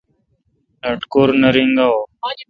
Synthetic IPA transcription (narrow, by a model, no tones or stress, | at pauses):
nəʈkoːɾnəɾĩŋɡaːoː